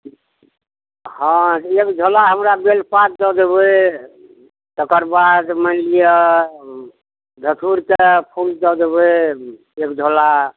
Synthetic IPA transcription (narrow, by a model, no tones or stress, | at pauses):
hɔ̃ekd͡ʒʱolaɦəmɾabelpat̪̚d̪ɔd̪ebe | t̪əkəɾbad̪məlijə | d̪ʱət̪ʰuɾkepʰuld̪ɔd̪ebe | ekd͡ʒʱola